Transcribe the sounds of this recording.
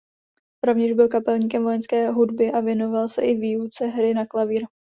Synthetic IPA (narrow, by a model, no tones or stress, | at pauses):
ɾo̞vɲɛʒbɪlkapɛlɲiːkɛmvo̞jɛnskɛːɦudbɪʔavjɛno̞valsɛʔɪviːut͡sɛɦɾɪnaklaviːɾ